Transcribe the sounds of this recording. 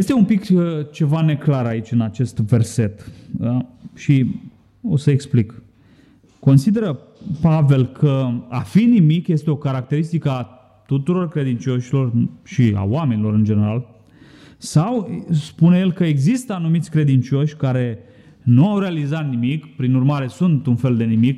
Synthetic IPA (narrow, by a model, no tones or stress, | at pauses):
jest̪e̞umpikət͡ʃe̞vane̞klaɾait͡ʃʲɨnat͡ʃe̞st̪ve̞rse̞t̪ | ʃi | o̞səeksplik | ko̞nsid̪e̞ɾə | pave̞lkʰəafinimikje̞st̪eo̞kaɾak̚t̪e̞ɾist̪ikəa | t̪ut̪uɾo̞rkɾe̞d̪int͡ʃo̞ʃilo̞rʃia̰wame̞nilo̞ɾɨnd͡ʒe̞ne̞ɾal | sawspuneje̞lkəeɡzist̪əanumit̪sʲkɾe̞d̪int͡ʃo̞ʃʲkaɾe̞ | nuawɾealizat̪nimikpɾinurmaɾe̞sunt̪unfe̞ld̪e̞nimik